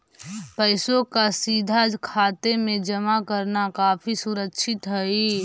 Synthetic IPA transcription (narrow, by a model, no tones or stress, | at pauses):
pəɪsõkasiːd̪ʱakʰaːt̪emẽd͡ʒəmakəɾnakaːfʰisʊɾəkʃʰɪt̪ɦɛi